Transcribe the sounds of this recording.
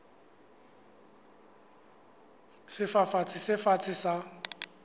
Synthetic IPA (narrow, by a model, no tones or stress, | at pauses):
sɪfafat͡sʰɪsɪfat͡sʰɪsa